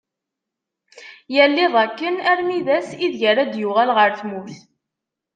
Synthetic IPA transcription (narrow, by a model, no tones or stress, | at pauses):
jælːiðˤækːənæɾmiðæsiðʝəɾæd̪jʊʁælʁəɾθmuθ